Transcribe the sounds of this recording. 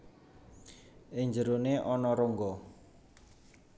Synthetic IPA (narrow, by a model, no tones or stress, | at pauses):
ʔɪŋɲd͡ʒəɾoneʔɔnɔɾoŋɡɔ